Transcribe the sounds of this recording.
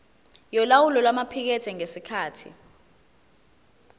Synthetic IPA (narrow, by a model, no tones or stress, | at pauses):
jɔlawulɔlwamapʰik̬ɛtʰɛŋesikʰaːtʰḭ